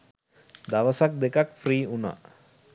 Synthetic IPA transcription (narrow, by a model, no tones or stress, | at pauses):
d̪aʋasak̚d̪ekakfɾiːuna̰